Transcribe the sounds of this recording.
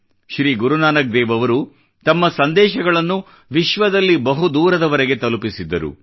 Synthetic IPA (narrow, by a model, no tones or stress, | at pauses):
ʃɾiːɡuɾunaːnɐk̚d̪ɛːʋɐʋɐɾu | t̪ɐmːɐsɐnd̪ɛːʃɐɡɐɭɐnːu | ʋiʃʋɐd̪ɐlːibɐɦud̪uːɾɐd̪ɐʋɐɾeɡe̞t̪ɐlupisid̪ːɐɾṵ